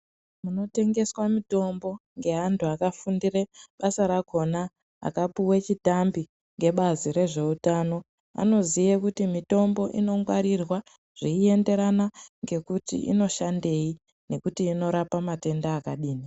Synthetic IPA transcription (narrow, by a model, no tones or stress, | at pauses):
muno̞te̞ŋɡe̞swamito̞mbo̞ŋɡe̞ɦantʰuakafundire̞ɓasaɾako̞na | a̰kapuwet͡ʃitambi | ŋɡe̞ɓaziɾe̞ʐe̞utaːno̞ | a̰no̞zijekutimito̞mbo̞ʔino̞ŋɡwaɾirwa | ʐ̥iie̞nde̞ɾanaŋɡe̞kutḭḭno̞ʃande̞i | ne̞kutiːno̞ɾapamate̞ndaːkaɗiːni